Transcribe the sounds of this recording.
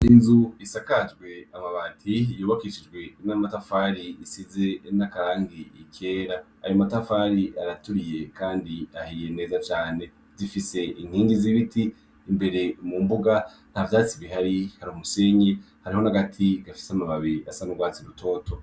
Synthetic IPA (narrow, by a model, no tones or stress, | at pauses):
inzuisakad͡ʒɡwe̞amaβaːtʰiijoβakiʃid͡ʒɡwe̞namatafaɾiːsize̞nakaɾaːŋɡiike̞ːɾa̰ːjomatafaɾiaɾatuɾije̞kaːndiahije̞ne̞ːzat͡ʃaːne̞ | zifise̞ʔin̥hiːŋɡiziβitiː | mbe̞ɾe̞mumbuɡa | n̥havdat͡siβihaɾihaɾiumuse̞ːɲe̞ | haɾiho̞naɡatʰiɡafi̥samaβaβiasanuɡwaːt͡siɾutʰo̞ːto̞